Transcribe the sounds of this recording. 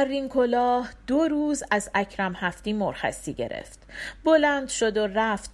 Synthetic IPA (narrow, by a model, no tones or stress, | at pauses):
ærːiŋkʰo̞lɒːhd̪̥oɾuːzæzæcʰɾæmhæft̪iːmoɾxæ̰siːɟe̞̰ɾḛft̪bo̞lænd̪ʃo̞d̪oræft̪